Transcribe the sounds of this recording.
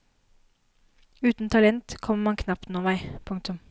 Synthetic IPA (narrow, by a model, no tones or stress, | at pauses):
ʉːt̪n̩t̪ʰɑlɛnt̪kʰɔmmɑnkʰnɑpt̪noːʋæɪpʰʊŋk̚t̪ʊm